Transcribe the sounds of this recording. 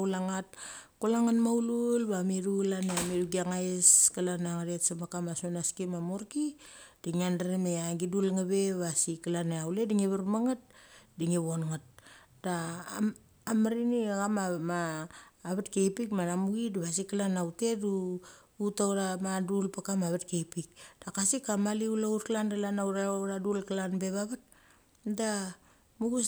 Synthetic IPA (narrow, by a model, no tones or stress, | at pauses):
laŋat̚kulaŋanmawlulbamiɾulaneamiɾuɡiaŋaeskalanaŋaɾetsamakamasonaskimamoɾkid̥iŋiandaɾemeaɡidulŋaβe̞βasikalaneawlediŋiβaɾmaŋat̚diŋiβonŋat̚ | da | amaɾiniaɣamamaː | βatkejpikmanamuɡidiβas̬ikalanawte̞du | utawɾamadulpakamaβatkejpik̚d̥akasikamaliulautkalandalanaɾaɾadulkalanbe̞βaβat̚ | da | muɡus